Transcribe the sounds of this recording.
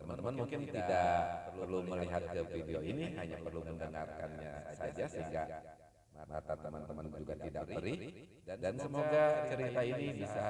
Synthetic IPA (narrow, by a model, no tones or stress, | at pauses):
t̪əmant̪əmanmuŋkɪnt̪idaʔpərluməliɦat̪̚kəfideoiniɦaɲapərluməndəŋa̰rka̰nɲa̰sa̰d͡ʒasəɦiŋɡa | əŋa̰t̪at̪əmant̪əmand͡ʒuɡat̪ida̰ʔbəɾi | dansəmoɡat͡ʃəɾit̪ainibisa